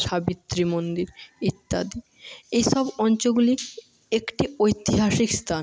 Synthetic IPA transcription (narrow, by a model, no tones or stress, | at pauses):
ʃabit̪ːɾimond̪iɾit̪ːa̰d̪i | ejʃɔbɔnt͡ɕoɡulik | ekʈiojt̪iɦaʃikst̪ʰan